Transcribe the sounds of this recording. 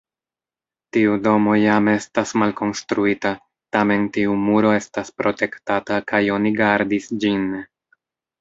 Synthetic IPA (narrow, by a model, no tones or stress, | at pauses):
tiudo̞mo̞jame̞stasmalko̞nstɾuita | tame̞ntiumuɾo̞e̞staspɾo̞te̞ktatakajo̞niɡaɾdisd͡ʒin